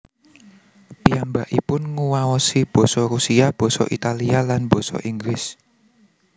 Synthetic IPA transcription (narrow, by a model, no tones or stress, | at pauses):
piambaʔipʊnŋuwawɔsib̥ɔ̤sɔrusiab̥ɔ̤sɔ̰ʔit̪alialanb̥ɔ̤sɔ̰ʔiŋɡɾɪs